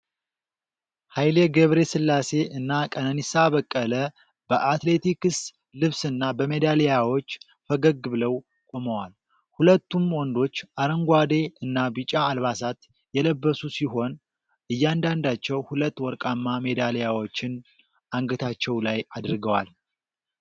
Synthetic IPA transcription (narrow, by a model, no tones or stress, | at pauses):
hajleɡəβɾe̞sɨlːase̞ɨnːakʼənənisaβəkʼːələ | b̥əʔat̪le̞t̪ikɨs | lɨβsɨnːabəmed̪alejawo̞t͡ʃː | fəɡəɡɨβɨləw | kʼo̞məwal | hulət̪ːumwɔnd̪o̞t͡ʃːʔaɾəŋɡʷad̪e̞ɨnːabit͡ʃʼːaːlβasat̪ | jɛləbːəsusiɦo̞n | ʔɨjːand̪and̪at͡ʃːɛwhulət̪ːwɔɾkʼamːamed̪alejawo̞t͡ʃːɪn | ʔaŋɡət̪ʰat͡ʃːɛwlajad̪ɨɾɡəwal